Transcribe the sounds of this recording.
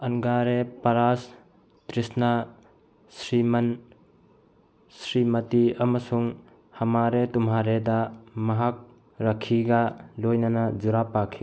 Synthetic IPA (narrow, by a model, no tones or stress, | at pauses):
ɐnɡaɾepɐɾas | tɾisna | sɾimɐn | sɾimɐtiɐmɐsuŋ | hɐmaɾetumɦaɾedamɐɦak̚ | ɾɐkʰːiɡalojnɐnad͡ʒuɾapakʰi